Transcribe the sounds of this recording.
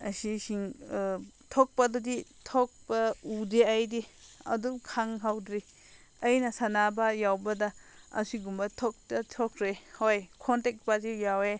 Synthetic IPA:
ɐsisiŋ | tʰok̚pɐduditʰok̚pɐudiajdiɐ̰dumkʰaŋɦawdɾi | ɐjnɐsanabajawbɐdɐɐ̰siɡumbɐtʰok̚tɐtʰɔkʰɾehojkʰɔntek̚pazijawe

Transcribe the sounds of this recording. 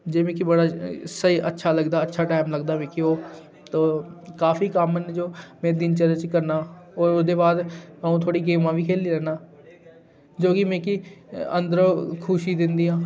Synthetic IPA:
d͡ʒeːmẽːkibəɽaːsəiːʔə̰tːʃʰaːləɡd̪aːətːʃʰaːʈaːɪmləɡd̪aːʋẽːkioː | t̪oːkaːfʰiːkaːməned͡ʒoːmɛ̃ːd̪ɪnt͡ʃələt͡ʃkəɾnaːoːɾʊsd̪eːbaːd̪aːũːt̪ʰoːɽiːɡeːmãːʋiːkʰeːliːlɛːnaː | d͡ʒoːkɪmɛ̃ːkiə̰̃nd̪əɾkʰʊʃiːd̪ɪnd̪iːãː

